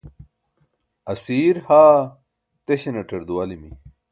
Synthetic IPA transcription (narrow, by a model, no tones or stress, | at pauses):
ɐsiːɾhaː | t̪eɕenɐʈʰɐɾd̪uɐlimi